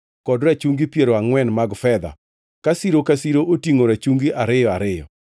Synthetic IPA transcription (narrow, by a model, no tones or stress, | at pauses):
kɔdɾat͡ʃuŋɡipjeɾoaŋwɛnmaɡfɛd̪a̰ | kasiɾokasiɾoʔotiŋoɾat͡ʃuŋɡiʔaɾɪjɔaɾɪjɔ̰